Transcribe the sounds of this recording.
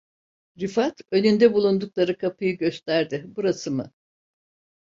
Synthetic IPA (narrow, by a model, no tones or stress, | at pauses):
ɾifat̪ø̞nynd̪ɛbulˠund̪uklˠaɾɯkʰapʰɯjɯɟø̞st̪ʰæɾd̪ɪbuɾasɯmɯ